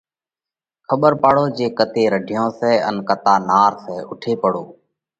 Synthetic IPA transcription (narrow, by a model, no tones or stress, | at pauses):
kʰəɓəɾpaːɽoːd͡ʒeːkət̪eːɾəɖʱɪjõːsɛːənkət̪aːnaːɾsɛːʊʈʰeːpəɽoː